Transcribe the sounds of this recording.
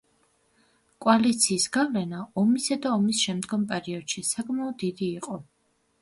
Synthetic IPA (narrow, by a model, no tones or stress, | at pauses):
kʼwalit̪sʰiːsɡavlɛnaɔmisad̪aɔmisʃɛmd̪ɡɔmpʼɛɾiɔd̪̥ʃisakʼmaɔd̪ːid̪iːqʼɔ